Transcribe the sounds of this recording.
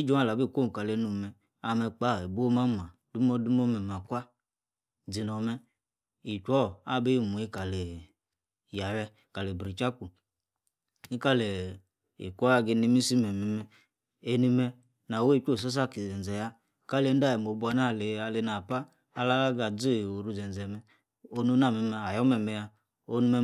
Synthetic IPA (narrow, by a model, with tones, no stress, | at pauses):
i˦d͡ʒo˦a˦˨la˨bi˦˨kʷo˦˨ka˨le˨˦nu˨mɛ˨ | a˨mɛ˧k͡pa˦˨e˨bo˦ma˦m˨a˨du˦mɔ˦du˦m˦ɔ˦mɛ˨m˨a˨kʷa˦ | d͡zi˨nɔ˨mɛ˧ | i˨t͡ʃʷɔ˦˨a˦˨be˦˨mu˨i˦ka˨le˨ | ja˨wɛ˧˨ka˨le˨bɾi˨t͡ʃa˦ku˨ | ni˦ka˦le˨ | ḭ˨kʷa˦˨ɡe˧ni˧˦mi˦si˦mɛ˨mɛ˨mɛ˧ | e˧ni˧mɛ˧ | na˨we˦i˦˨ko˦˨s̬o˦s̬a˦˨ki˨d͡zɛ˨n˨d͡zɛ˨ja˦˨ | ka˦le˨˦n˦da˦je˨mo˨bu˦a˧na˦˨le˨a˧˨le˧na˨paː˦˧ | la˦la˦ɡa˨d͡zo˦˨o˨ɾu˧˦zɛ˨n˨d͡zɛ˨mɛ˧ | o˧nu˦na˦˨mɛ˨mɛ˧a˨jɔ˦mɛ˨mɛ˧ja˧ | o˦nu˧˦mɛ˧